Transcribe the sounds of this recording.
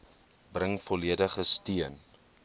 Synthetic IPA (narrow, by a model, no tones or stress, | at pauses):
brəŋfɔliədəχəstiən